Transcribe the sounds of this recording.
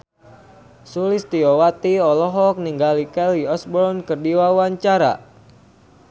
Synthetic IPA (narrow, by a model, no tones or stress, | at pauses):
sulist̪iɔwat̪iɔlɔɦɔk̚niŋɡalikɛliɔsbɔɾɔnkərdiwawaɲt͡ʃaɾa̰